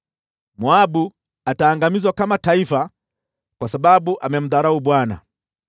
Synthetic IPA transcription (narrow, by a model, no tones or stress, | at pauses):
muabu | ataːŋɡamizwakamataifa | kwasababuʔamɛm̩ðaɾaubwana̰